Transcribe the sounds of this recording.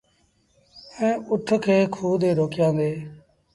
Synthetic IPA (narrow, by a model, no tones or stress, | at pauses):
ẽːʊʈʰkʰeːkʰuːd̪eːɾoːkjãːnd̪eː